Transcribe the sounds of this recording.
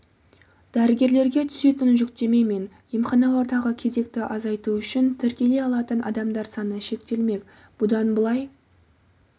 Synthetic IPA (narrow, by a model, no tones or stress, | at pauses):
d̪̥æɾɪɡʲe̞ɾle̞ɾɡʲe̞t̪ʰʏ̥se̞t̪ɪnʒʏkt̪e̞me̞me̞n | jemχɑnɑwo̞ɾd̪ɑʁəkʲʰe̞ze̞k̚t̪ɪʔɑzɑjt̪uʏʃɪnt̪ʰɪɾkʲe̞le̞jɑlˠɑt̪ənʔɑ̰d̪ɑmd̪ɑɾsɑnəʃe̞k̚t̪e̞lme̞k | b̥ʊd̪ɑnbəlˠɑj